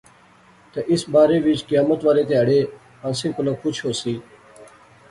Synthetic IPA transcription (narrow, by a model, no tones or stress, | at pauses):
t̪əʔɪsbaːɾeːʋɪt͡ʃkɪjaːmət̪ʋaːɾeːt̪eːɦəɽeː | ãːsĩːkʊlaːkʰʊt͡ʃʰɦoːsiː